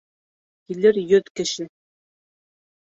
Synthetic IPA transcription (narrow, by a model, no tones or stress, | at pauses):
kilɘɾjɵðkɘ̆ʃɘ